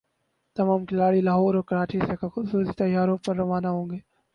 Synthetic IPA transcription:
t̪ɐmaːmkɪlaːɽilaːɦoːɾɔːɾkɐɾaːt͡ʃisekaxʊbsuːsit̪ɐjaːɾõpɐɾːɐʋaːnaɦõːŋɡeː

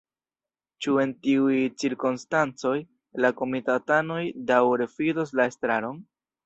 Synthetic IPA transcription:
t͡ʃue̞ntiujt͡siɾkonstant͡so̞j | lako̞mitatano̞jdawɾe̞fidos̬lae̞stɾaɾo̞n

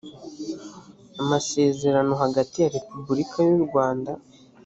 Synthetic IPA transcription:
amase̞ːze̞ɾano̞ɦaɡatijaɾe̞pubuɾikʰajuɾɡwaːnda

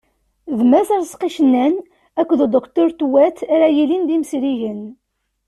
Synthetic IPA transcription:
ðmæzæɾsqiʃənːæn | ækʷːðəd̪ˤəqt̪uɾt̪wæt̪æɾæjilind̪imsɾiʝən

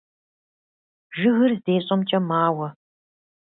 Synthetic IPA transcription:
ʒɨɣɨrzeːɕʼɐmt͡ʃʼɐmaːwɐ

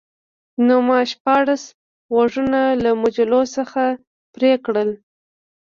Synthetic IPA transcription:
nomɑʃpɑɽas | waʐunalamʊd͡ʒalosəxa | pɾekɽəl

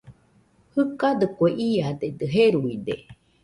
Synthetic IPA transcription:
hɨkad̪əkoeʔiad̪ed̪əɦeɾuid̪ḛ

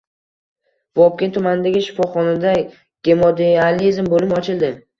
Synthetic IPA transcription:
vɒp̚kʲent̪ʰʊmanɪd̪aɡʲɪʃɪ̥fɒχɒnad̪a | ɡ̥ʲe̞mod̪ealizmbolɪmɒt͡ʃʰɪlˠd̪ɪ

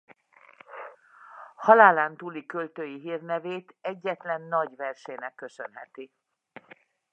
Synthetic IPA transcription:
hɒlaːlaːnt̪uːlikølt̪øːjiɦiːrnɛveːt̪ɛɟːɛt̪lɛnːɒɟvɛrʃɛːnɛkːø̞sø̰nɦɛ̰t̪i

